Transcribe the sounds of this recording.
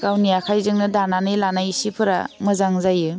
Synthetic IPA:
ɡ̥awnijakʰajzɯŋnɯdananɯjlanajsipʰɯɾa̰mɯzaŋzajɯ

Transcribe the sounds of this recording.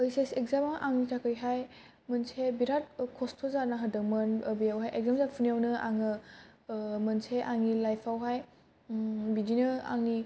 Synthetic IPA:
ɯjsesekzamaʔaŋnitʰakɯɾiɦaj | mɯnsʰebiɾat̚kʰɔstʰɔzanaɦədɯkmɯnbijawɦajʔek̚zamzapʰunijawnɯʔaŋɯ | mɯnsʰeʔaŋilajpʰawɦaj | bidinɯa̰ŋːi

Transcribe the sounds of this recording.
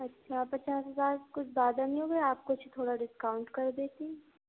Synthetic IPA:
ɐtːʃʰapɐt͡ʃaːsɦɐzaːɾkʊt͡ʃʰbaːd̪amĩɦoɡɛaːp̚kot͡ʃʰt̪ʰoːɽaɖɪskaːʊ̃ɳʈkɐɾd̪eːt̪iɛ

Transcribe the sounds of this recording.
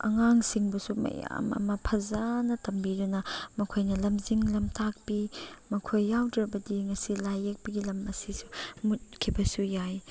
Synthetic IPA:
ɐ̰ŋaŋsiŋbɐsumɐ̰ja̰mɐ̰mɐpʰɐzanɐtɐmbidunɐmɐkʰojnɐlɐmziŋlɐmtak̚pimɐkʰojːawdɾɐbɐdiŋɐsilajek̚pɐɡilɐmɐsisumut̚kʰibɐsujaj

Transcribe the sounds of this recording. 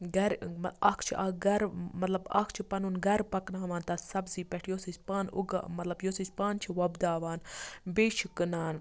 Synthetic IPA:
ɡɐɾmɐɐkʰt͡ʃʰiʔaɡɐɾmɐt̪lɐbɐ̰kʰt͡ʃʰipɐnunɡɐɾpɐknaːʋaːnt̪ɐt̪sɐbziːpɛʈʰjoːsit͡ʃpaːnṵɡ̰mɐt̪lɐbjoːsit͡ʃpaːnt͡ʃʰiʋɐbd̪aːʋaːnbeːʃʰikɨnaːn

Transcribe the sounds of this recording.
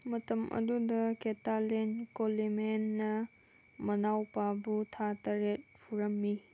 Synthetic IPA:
mɐtɐmʔɐ̰dudɐketalenkolimenːɐ | mɐnawpabutʰatɐɾet̚pʰuɾɐmːi

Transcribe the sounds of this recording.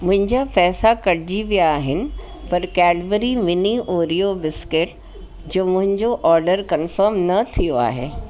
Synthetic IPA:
mʊ̃ɦɪ̃ɲd͡ʑapɛːsakɐɽd͡ʑiʋijaːɦɪnɪ̆ | pɐɾkɛːɖʋəɾimɪniʔoːɾijobɪskɪʈ̚ | d͡ʑoːmʊ̃ɦɪ̃ɲd͡ʑoʔɔːɾɖəɾkɐnfəɾmnɐt̪ʰijoa̰ːɦḛː

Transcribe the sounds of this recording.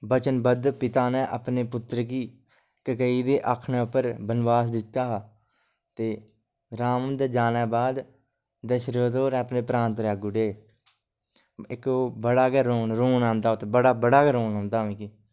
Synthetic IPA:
bət͡ʃənbəd̪pɪt̪aːnɛ̃ːʔəpneːpʊt̪ːɾk̬iː | kəkəiːd̪eːʔəkʰnɛ̃ːʊpːəɾbənʋaːsd̪ɪt̪ːaːɦ | t̪eː | ɾaːmənd̪ɛːd͡ʒaːnɛːbaːd̪ | d̪eʃəɾoːt̪oːɾɛ̃ːəpneːpɾãːnt̪ɾɛːɡʊɖeː | ɪkoːbəɽaːɡɛːɾoːnɾoːnãːnd̪aːot̪ːbəɽaːbəɽaːkɛːɾoːnãːnd̪aːʋẽːkiː

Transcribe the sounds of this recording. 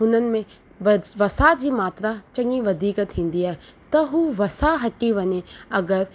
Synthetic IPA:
ɦʊnənɪ̆mẽ | ʋʋɐsad͡ʑiːmaːt̪ɾat͡ɕɐ̃ŋiʋɐd̪ʱiːkt̪ʰːĩːn̆d̪iaːɦet̪ɐɦuʋɐsaɦɐʈiʋɐɲeɐɡəɾ

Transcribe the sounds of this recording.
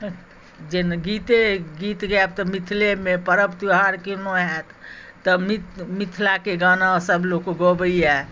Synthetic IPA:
d͡ʒenɡit̪eɡit̪ɡɛb̚t̪əmit̪ʰlemepəɾəpt̪iɦaɾkinoɦɛt̪ːəmitmit̪ʰlakeɡanasəbʱlokoɡobəijɛ

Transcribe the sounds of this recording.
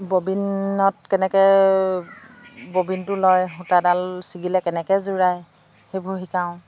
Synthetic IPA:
bobinɔtkɛnɛkɛ | bobintʊlɔjxutadalsiɡilɛkɛnɛkɛzuɹaj | xejbʱoɦikaʊ̃

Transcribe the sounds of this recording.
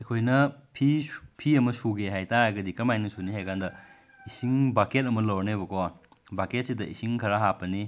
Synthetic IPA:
ɐkʰojnɐpʰipʰiɐmɐsuɡeɦajtaɾaɡɐdikɐmajnɐsuniɦajkʰandɐ | isiŋbaket̚ɐmɐlɐwnebɐkɔ | baket̚sidɐʔisiŋkʰɐɾaɦapːɐni

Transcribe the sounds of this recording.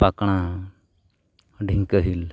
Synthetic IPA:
pakɽ̃a | ɖʱiŋkəɦil

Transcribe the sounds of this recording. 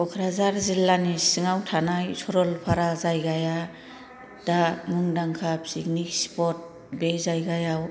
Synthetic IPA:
ɔkʰɾazaɾzilːanisɯŋawtʰanajsʰɔɾɔlpʰaɾazajɡaja | d̥amɯŋdaŋkʰap̚sik̚nik̚spɔt̚ | bezajɡajaw

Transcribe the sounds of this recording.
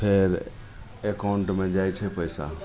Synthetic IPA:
pʰeɾ | ekaʊɳʈmẽd͡ʒajt͡ʃʰɛpəjsa̰

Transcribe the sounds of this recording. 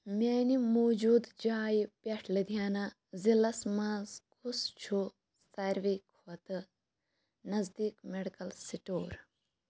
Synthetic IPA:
mʲeːnimoːd͡ʒuːd̪d͡ʒaːjipʲɐʈʰlɨd̪ʱjaːna | zilɐsmãːzkʰust͡ʃʰu | sɐɾʋikʰoɐt̪ɨ | nɐzd̪iːkmeɽikɐlsiʈoːɾ

